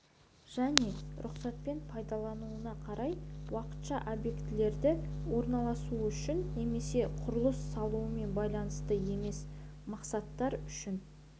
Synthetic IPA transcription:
ʒ̥æne̞ɾʔʊqsɑt̪̚pe̞npʰɑjd̪ɑlˠɑnuənɑqʰɑɾɑjwɑqə̥t̪ʃɑʔobje̞kt̪ɪle̞ɾd̪ɪwo̞ɾnɑlˠɑsuəʏʃɪnːe̞me̞se̞qʰʊɾəlˠəsːɑlˠuəme̞nbɑjlˠɑnəst̪əje̞me̞s | mɑqsɑt̪ːɑɾʏʃɪn

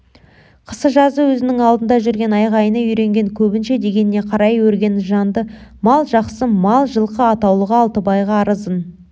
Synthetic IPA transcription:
qʰə̥səʒɑzəwɵzɪnɪŋɑlˠd̪ənd̪ɑʒʏɾɡʲe̞nɑjʁɑjənəʏjɾe̞ŋɡʲe̞ŋkʲʰɵbɪnʃe̞d̪e̞ɡʲe̞nɪːe̞qʰɑɾɑjwɵɾɡʲe̞nʒɑnd̪əmɑlˠʒɑqsəmɑlˠʒəlˠqəɑt̪ɑwlˠəʁɑːlˠt̪əbɑjʁɑːɾəzən

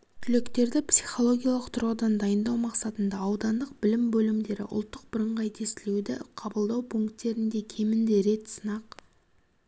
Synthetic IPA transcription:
t̪ʲʰʏlekt̪e̞ɾd̪ɪpsiχo̞lˠo̞ɡʲijɑlˠəqt̪ʰʊɾʁəd̪ɑnd̪ɑjənd̪ɑwmɑqsɑt̪ənd̪ɑːwd̪ɑnd̪əqbɪlɪmbɵlɪmd̪e̞ɾɪ̰ʔʊ̰lˠt̪ːəq̚bɪɾəɴʁɑjt̪ʰe̞st̪ɪled̪ɪqʰɑbəlˠd̪ɑwpʰuŋkt̪ːe̞ɾɪnd̪e̞kʲʰe̞mɪnd̪e̞ɾe̞t̪sənɑq

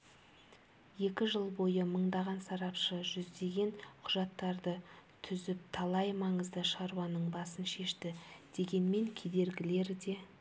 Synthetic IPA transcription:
je̞kʲɪʒəlˠbo̞jəməɴd̪ɑʁɑnsɑɾɑpʃəʒʏzd̪e̞ɡʲe̞nqʰʊʒɑt̪ːɑɾd̪ət̪ʰʏzɪp̚t̪ʰɑlˠɑjmɑɴəzd̪əʃɑɾuwɑnəɴbɑsənʃe̞ʃt̪ɪd̪̥e̞ɡʲe̞nme̞ŋkʲʰe̞d̪e̞ɾɡʲɪle̞ɾd̪e̞

